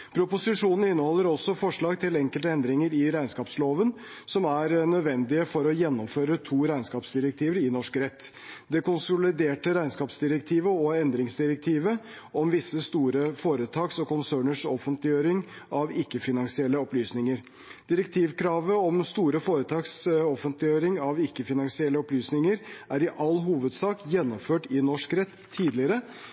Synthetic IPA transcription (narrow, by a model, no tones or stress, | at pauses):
pʰɾʊpʊsɪʂuːnn̩ɪnːəhɔlːəɾɔsːɔfɔʂɭɑːɡt̪ʰɪlɛŋkəlt̪əɛnd̪ɾɪŋəɾɪɾæɪnskɑːpsloːʋən | sɔmæɾnœd̪ʋɛnd̪ɪəfɔɾɔjɛnːɔmføːɾət̪ʰuːɾæɪnskɑːpsd̪ɪɾək̚t̪ʰiːʋəɾɪnɔʂkɾɛt̪ː | d̪ɛkʊnsʊlɪd̪eːʈəɾæɪnskɑːpsd̪ɪɾəkt̪ʰiːʋəɔɛnd̪ɾɪŋsd̪ɪɾək̚t̪ʰiːʋə | ɔmʋɪsːəst̪uːɾəfoːɾət̪ʰɑːksɔkʊnsøːɳəʂɔfənt̪lɪjøːɾɪŋ | ʔɑʋɪkːəfɪnɑŋsɪɛlːəɔplyːsnɪŋəɾ | d̪̥ɪɾəkt̪ʰiːʋkɾɑːʋəɔmst̪uːɾəfoːɾət̪ʰɑːksɔfənt̪lɪjøːɾɪŋɑʋɪkːəfɪnɑŋsɪɛlːəɔplyːsnɪŋəɾʔæɾɪʔɑlːɦuːʋəd̪sɑːkjɛnːɔmføːʈɪnɔʂkɾɛt̪ʰːiːd̪lɪəɾə